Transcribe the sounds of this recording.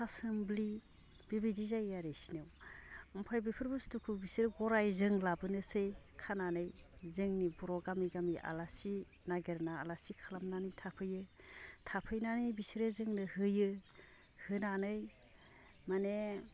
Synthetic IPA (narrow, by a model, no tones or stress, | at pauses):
asɯmbli | b̥ibidizajaɾesinɯwɯmpʰajbipʰɯɾbustukʰubisiɾɯɡɔɾajzɯŋlabɯnɯsej | kʰananɯjzɯŋnibuɾɔɡamiɡamiʔa̰lasi | naɡeɾnaːlasikʰalamnanɯjtʰapʰɯjɯtʰapʰɯjnanɯjbisɾɯzɯŋnɯhɯjɯ | hɯnanɯj | mane